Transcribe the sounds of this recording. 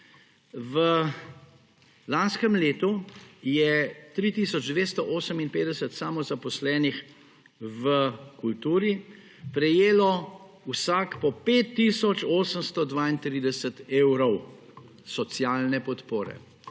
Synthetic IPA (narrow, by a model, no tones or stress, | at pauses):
ʋə | lanskəmleːt̪ujɛt̪ɾiːt̪iːsɔd͡ʒd̪ʋeːst̪ɔʔoːsəminpeːd̪ɛsət̪saːmɔzapɔslɛːnix | ʋəkult̪uːɾi | pɾɛjeːlɔ | wsaːkpɔpeːt̪ːisɔt͡ʃoːsəmst̪ɔd̪ʋaːint̪ɾiːd̪ɛsət̪eːwɾɔw | sɔsjaːlnɛpɔt̪poːɾɛ̰